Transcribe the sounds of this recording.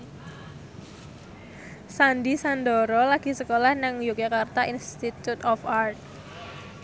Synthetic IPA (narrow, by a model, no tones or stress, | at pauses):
sandisand̪ɔɾɔlaɡ̥i̤səkolahnaŋjuk̚d͡ʒakart̪aʔinst̪it̪ut̪ɔfart̪̚